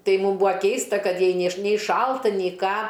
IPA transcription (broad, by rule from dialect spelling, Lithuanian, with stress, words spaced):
ˈtɐɪ ˈmuːm ˈbuːɐ ˈkʲɛɪstɐ ˈkɐt ˈjɛɪ ˈnʲeː ʃ nʲɛɪ ˈʃɐlˠtɐ nʲɛɪ ˈkɑː